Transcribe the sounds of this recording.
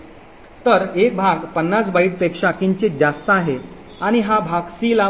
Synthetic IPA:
t̪əɾek̚bʱaɡpənːasbaiʈ̚pekʂakiɲt͡ɕed͡zast̪əaɦe | aɽ̃iɦabʱaɡsila

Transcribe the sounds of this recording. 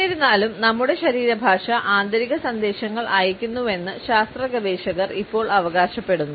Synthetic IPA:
ɐɾunːaːlumnɐmːuɽe̞ɕɐɾiːɾɐbʱaːʂɐʔaːnd̪ɐɾiɣɐsɐnd̪e̞ːɕɐŋːɐɭʔaːjikʲːunːue̞nːɨɕaːst̪rɐɡɐd̪eːɕɐɣɐripːo̞ːɭɐʋɐɣaːɕɐpːe̞ɽunːu

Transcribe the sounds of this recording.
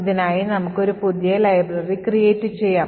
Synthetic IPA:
ðinaːjinɐmukːo̞ɾupuðjɐlɐjblɐrikrijeːtːɨt͡ɕe̞jːaː

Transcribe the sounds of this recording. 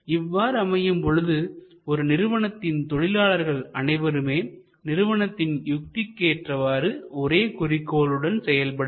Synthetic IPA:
ɪʋːaːɾɯɐmɐjɯmpɔɻɯðɯ | ɔɾɯnɪɾɯʋɐɳɐt̪ːɪnt̪ɔɻɪlaːɭɐɾɣɐɭɐnɐɪʋɐɾɯmeː | nɪɾɯʋɐɳɐt̪ːɪnjʊk̚t̪ɪkːeːʈrɐʋaːɾɯɔɾeːkʊrɪkːoːlɯɽɐnsɛjɐlpɐɽɯ

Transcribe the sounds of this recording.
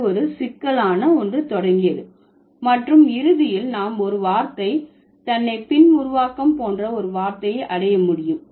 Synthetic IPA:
ɔɾɯsɪkːɐɭaːnɐɔndrɯt̪ɔɽɐŋɡɪjɐðɯ | mɐʈrɯmɪɾɯðɪjɪlnaːmɔɾɯʋaːɾt̪ɐɪ | t̪ɐnːɐɪpɪnʊɾʊʋaːkɐmpoːndrɐɔɾɯʋaːɾt̪ɐjɐɪʔɐɽɐjɐmʊɽɪjɯm

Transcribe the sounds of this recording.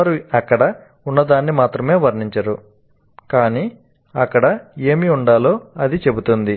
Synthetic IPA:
ɐɾuɐkːɐɽɐ | unːɐd̪aːnːimaːt̪ɾɐme̞ːʋɐɾniɲt͡ʃɐɾu | kaːniː | ɐkːɐɽɐe̞ːmiuɳɖaːlo̞ːɐd̪it͡ʃe̞but̪und̪i

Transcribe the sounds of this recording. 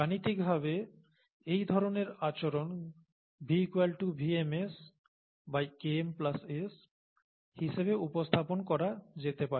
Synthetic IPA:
anit̪ik̚bʱabe | ejd̪ʱɔɾoneɾat͡ɕoɾon | biːkualʈubʱiemes | bajkemplases | hiʃeβeupost̪ʰaponkɔɾad͡ʑet̪epaɾe

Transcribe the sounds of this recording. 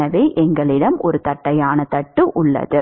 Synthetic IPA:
ɐʋeːʔɛŋɡɐɭɪɽɐmɔɾɯt̪ɐʈːɐjaːnɐt̪ɐʈːɯʔʊɭːɐ̰ðɯ

